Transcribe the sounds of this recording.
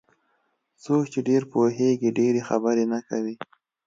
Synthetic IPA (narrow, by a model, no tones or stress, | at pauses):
sokt͡ʃeɖeɾpoɦeɡiɖeɾexabəɾenakawi